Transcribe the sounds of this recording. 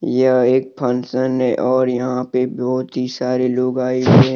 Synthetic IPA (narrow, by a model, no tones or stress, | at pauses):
jəeːk̚pʰənsənːẽʔɔːɾjɐɦãpebɔːʊt̪ɦisaːɾeloːɡaːeɦe